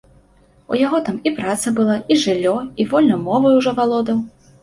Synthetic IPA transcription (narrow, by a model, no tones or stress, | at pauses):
ṵjaɣɔt̪amipɾat̪sɐbɨlˠaiʐɨlʲːɔivɔlʲnɐjmɔvɐjuʐɔvalˠɔd̪ɐw